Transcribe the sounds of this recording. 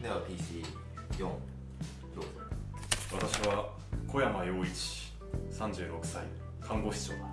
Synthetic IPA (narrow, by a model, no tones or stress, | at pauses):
neβapʲiːɕi | jõŋ | joo | βat̪aɕiβa | kʰo̞jamajo̞ːit͡ɕi̥ | sãɲ̟d͡ʑɨːɾo̞kɯ̟̥sai | kʰãŋɡo̞ɕi̥t͡ɕo̰ː